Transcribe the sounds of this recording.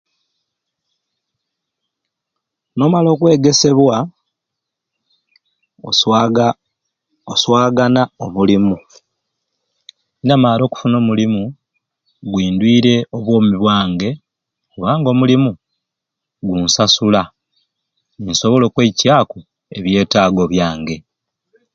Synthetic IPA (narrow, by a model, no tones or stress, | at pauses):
no̞ːmalo̞ːkwe̞ːɡe̞se̞βwa | oswaːɡanaomulimu | inamaːlɾo̞ːku̥funo̞ːmulimu | ɡwiːndwiːɾe̞o̞βwo̞ːmiβwaːŋɡe̞ | kuβaːŋɡo̞mulimu | ɡunsasula | inso̞βo̞lo̞ːkwecaːku | e̞βje̞ːtaːɡo̞βjaːŋɡe̞